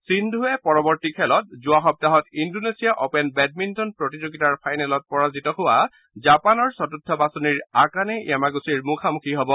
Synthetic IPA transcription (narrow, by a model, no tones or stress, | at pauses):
sindʱuɛpɔɹɔbɔɹtikʰɛlɔt̚zʊaxɔp̚taɦɔtindonesijaʔɔpɛnbɛd̚mintɔnpɹɔtizoɡitaɹpʰajnɛlɔt̚pɔɹazitɔhʊwa | zapanɔɹsɔtutʰːɔbasɔniɹakanɛamaɡusiɹmukʰamukʰiɦɔbɔ